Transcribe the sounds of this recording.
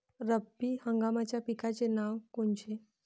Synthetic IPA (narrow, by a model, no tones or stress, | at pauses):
ɾəbihəŋɡamat͡ɕjapikat͡senaʋkoɳt͡ɕe